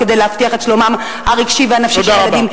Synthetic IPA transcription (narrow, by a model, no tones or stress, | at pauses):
kedejlehaft̪iaχeʃlomam | haʁiɡʃiveanafʃoʃdaʁaadim